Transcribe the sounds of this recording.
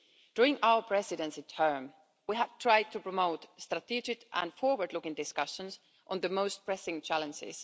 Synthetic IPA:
d̥ʊɹɪ̃ŋawə˞pʰɹ̥ɛsɪdɛ̃nsitʰɜ˞m | wiɦæv̥tʰɹ̥aɪd̚tʰupɹɔmoʊtstɹatʰid͡ʒɪkʔə̰̃nfɔɹwə˞dˡlʊkɪ̃ŋdɪskʌʃə̃ns | ʔɔ̃nðəmoʊst̚pʰɹ̥ɛsɪ̃ŋt͡ʃʰælə̃nd͡ʒɪ̰z̥

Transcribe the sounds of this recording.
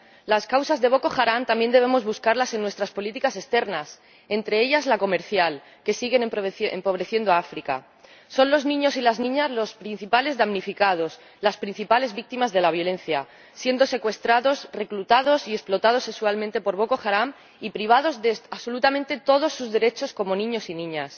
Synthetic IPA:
laskawsazðe̞βo̞ko̞xaɾamt̪ambje̞nd̪e̞β̞e̞mo̞zβuskaɾlase̞nːwe̞st̪ɾaspo̞lit̪ikase̞st̪e̞ɾnas | e̞nt̪ɾe̞eʎazlako̞me̞ɾθjal | ke̞siɣe̞npempo̞β̞ɾe̞θje̞nd̪oaafɾika̰ | so̞nlo̞znĩɲo̞silaznĩɲazlo̞spɾin̟θipale̞zðamnifikað̞o̞s | laspɾin̟θipale̞zβik̚t̪imazðe̞laβjo̞le̞n̟θja | sje̞nd̪o̞se̞kwe̞st̪ɾaðo̞sre̞klut̪að̞o̞sie̞splo̞t̪að̞o̞se̞kswalmẽnt̪e̞po̞ɾβ̞o̞ko̞xaɾam | ipɾiβ̞að̞o̞zðeaβso̞lut̪ament̪e̞t̪o̞ð̞o̞sːuzðe̞ɾe̞t͡ʃo̞sko̞mo̞nĩɲo̞sinĩɲas

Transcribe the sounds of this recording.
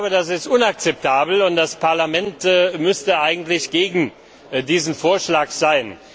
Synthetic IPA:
bədas̬ɪstʔʊnak̚t͡sɛp̚tʰaːbl̩ʊntd̥aspʰaɐlamɛntːmʏstəʔaɪɡŋ̩tlɪçɡ̥eːɡŋ̩ | diːzn̩foːɐʃlaːkz̥aɪn

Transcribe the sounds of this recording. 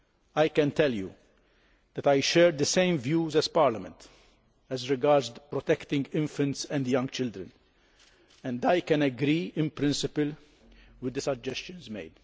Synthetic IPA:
ajkɛ̃nt̪ɛljṵ | d̪̥ɛt̪ajʃɛːɾd̪əsẽɪ̃mvjuːzɛz̥paɾlɐmɛ̰̃nt̪ | ɛzɾɪɡaːɾdzd̪pɾɔt̪ɛkt̪ɪ̃ŋɡɪ̃ɱfə̃nt̪sɛ̃nd̪jʌ̃ŋɡt͡ʃɪld̪ɾə̰̃n | ɛ̃nd̪ajkɛ̃nɛɡɾiːɪ̃npɾɪ̃nsɪpɨl | wɪd̪ːəsɐd͡ʒɛst͡ʃɨ̃nzmḛɪd̪

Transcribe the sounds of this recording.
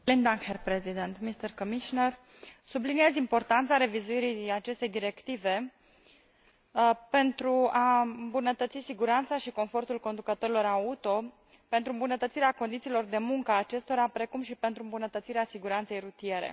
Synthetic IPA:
lind̪aŋherpɾezid̪ent̪mist̪ərkomiʃonər | sublinijezimpo̞rt̪ant̪saɾe̞vizuiɾijat͡ʃe̞st̪ejd̪iɾe̞kt̪ive̞ | pe̞nt̪ɾuaɨmbunət̪ət̪sisiɡuɾant̪saʃiko̞nfo̞rt̪ulko̞nd̪ukət̪o̞ɾilo̞ɾaut̪o̞ | pe̞nt̪ɾuɨmbunət̪ət̪siɾeako̞nd̪it̪siːlo̞rd̪e̞muŋkəaːt͡ʃe̞st̪o̞ɾapɾe̞kumʃipe̞nt̪ɾuɨmbunət̪ət̪siɾeasiɡuɾant̪se̞jrut̪ije̞ɾe̞̰

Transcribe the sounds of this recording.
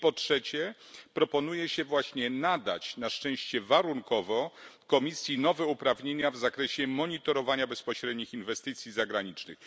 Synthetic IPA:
pɔtʂɛt͡ɕɛpɾɔpɔnujɛɕɛvwaɕɲɛnad̪a̰t͡ɕnaʂt͡ʂɛ̃w̃ɕt͡ɕɛvaɾuŋkɔvɔkɔmʲisʲjinɔvɛupɾavɲeɲavzakɾɛɕɛmɔɲit̪ɔɾɔvaɲabɛspɔɕɾɛd̪ɲixinvɛst̪ɘt̪sʲjizaɡɾaɲit͡ʂnɘ̰x

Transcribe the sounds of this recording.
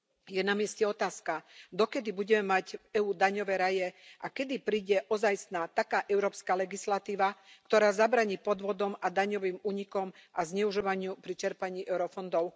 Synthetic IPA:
jɛnamɪɛscɛɔt̪aːskad̪ɔkɛd̪ibuɟɛmɛmaɟɛuːd̪aɲɔʋɛɾajɛʔakɛd̪ipɾiːɟɛʔɔzajst̪nat̪akaːʔɛʊɾɔːpskalɛɡislat̪iːʋakt̪ɔɾaːzabɾaːɲiːpɔd̪ʋɔd̪ɔmad̪aɲɔʋiːmuːɲikɔmʔazɲɛuʒiʋaɲɪupɾit͡ʃɛɾpaɲiːʔɛʊɾɔfɔnd̪ɔʊ

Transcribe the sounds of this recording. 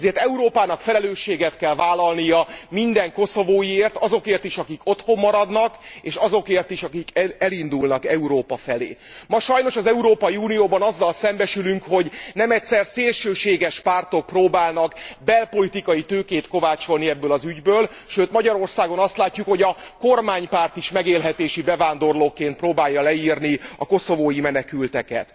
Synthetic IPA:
zeːrt̪ɛuɾoːpaːnɒkfɛlɛløːʃːeːɡɛt̪kɛlvaːlːɒlnijɒmind̪ɛŋko̞so̞voːjieːrt̪ɒzo̞keːrt̪iʃɒkiko̞t̪ho̞mːɒɾɒd̪nɒkeːʃɒzo̞keːrt̪iʃɒkikɛlind̪ulnɒkɛuɾoːpɒfɛlḛː | mɒʃɒjno̞ʃɒzɛuɾoːpɒjiuːnijoːbɒnɒzːɒlsɛmbɛʃylyŋkho̞ɟnɛmɛcʲsɛrseːlʃøːʃeːɡɛʃpaːrt̪o̞k̚proːbaːlnɒkbɛlpo̞lit̪ikɒjit̪øːkeːt̪ko̞vaːt͡ʃo̞lniɛbːøːlɒzyɟbøːl | ʃøːt̪mɒɟɒɾo̞rsaːɡo̞nɒst̪laːcːukho̞ɟɒkormaːɲpaːrt̪iʃmɛɡeːlɦɛt̪eːʃibɛvaːnd̪o̞rloːkeːnt̪̚proːbaːjːɒlɛiːrniɒko̞so̞voːjimɛnɛkylt̪ɛkɛ̰t̪

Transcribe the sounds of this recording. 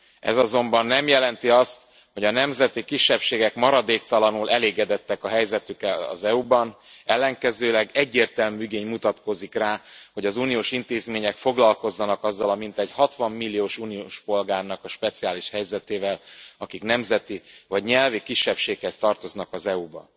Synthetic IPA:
ɛ̰zɒzo̞mbɒnːɛmjɛlɛnt̪iɒst̪ | ho̞ɟɒnɛmzɛt̪ikiʃːɛpʃeːɡɛkmɒɾɒd̪eːkt̪ɒlɒnulʔɛleːɡɛd̪ɛt̪ːɛkɒɦɛjzɛt̪ykɛlɒ̰zɛubɒn | ɛlːɛŋkɛzøːlɛɡɛɟːeːrt̪ɛlmyyɡeːɲmut̪ɒt̪ko̞zikraːho̞ɟɒzuːnijoːʃint̪eːzmeːɲɛkfo̞ɡlɒlko̞zːɒnɒkɒzːɒlɒmint̪ɛɟhɒt̪ʋɒmːilːijoːʃuːnioːʃpo̞lɡaːrnɒkɒʃpɛt̪siaːliʃhɛjzɛt̪eːvɛlɒkiknɛmzɛt̪ivɒɟɲɛlvikiʃːɛpʃeːkhɛst̪ɒrt̪o̞znɒkɒzɛubɒ̰

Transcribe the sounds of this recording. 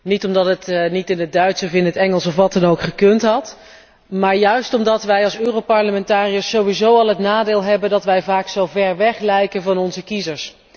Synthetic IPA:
nitɔmdɑtətnitɪnət̚dœɥtsəfɪnɦətɛŋəlˠsɔfʋɑtɛnowkχəkɵntɦɑt | maːɹjœɥstɔmdɑtʋɛjɑlˠsøːrowpɑɹləmɛntaːrijəsːowʋizowɑlˠɦətnaːdɪːlˠɦɛbəndɑtʋɛjvaːksowvɛɹʋɛχlɛjkənvɑnɔnzəkizəɹs

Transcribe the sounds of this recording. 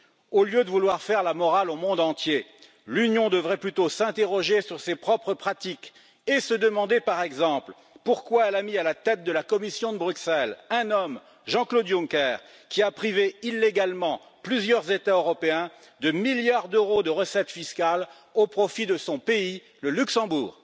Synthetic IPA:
oljød̪əvulwaʁfɛʁlamɔʁalomɔ̃d̪ɑ̃t̪je | lynjɔ̃d̪əvʁɛplyt̪osɛ̃t̪eʁɔʒesyʁsepχɔpχəpχat̪ik | esəd̪əmɑ̃d̪epaʁɛɡzɑ̃pl | puʁkwaɛlamialat̪ɛt̪̚d̪əlakɔmisjɔ̃d̪əbʁyksɛlɛ̃nɔm | ʒɑ̃klod̪jũkɛːʁ | kʲiapχiveilːeɡalmɑ̃ | plyzjœʁzet̪aøʁɔpeɛ̃ | d̪əmiljaʁd̪øʁod̪əʁəsɛt̪fiskal | opχɔfid̪əsɔ̃pei | ləlyksɑ̃buːʁ

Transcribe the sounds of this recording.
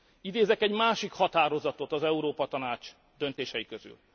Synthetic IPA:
id̪eːzɛkɛɟmaːʃikhɒt̪aːɾo̞zɒt̪o̞t̪ɒzɛuɾoːpɒt̪ɒnaːt͡ʃ | d̪ønt̪eːʃɛjikøzy̰l

